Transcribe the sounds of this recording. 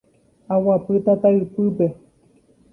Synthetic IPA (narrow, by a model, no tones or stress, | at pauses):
awapɨt̪at̪aɨpɨpe̞